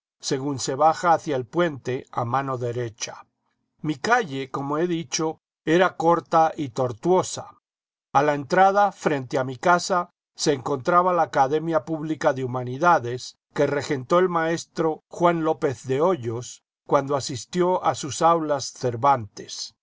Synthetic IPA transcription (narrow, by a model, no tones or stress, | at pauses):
se̞ɣunse̞βaxaːθjaelpwe̞nt̪e̞amãno̞ðe̞ɾe̞t͡ʃḁ | mikaʝe̞ko̞moe̞ðit͡ʃo̞ | e̞ɾako̞ɾt̪aʔit̪o̞ɾt̪wo̞sa | alaent̪ɾaðafɾe̞nt̪eamikasa | se̞ːŋko̞nt̪ɾaβalaːkaðe̞mjapuβlikaðeumaniðaðe̞s | ke̞re̞xe̞nt̪o̞elmae̞st̪ɾo̞xwanlo̞pe̞θðeo̞ʝo̞s | kwand̪oasist̪jo̞ʔasusawlasθe̞ɾβant̪e̥s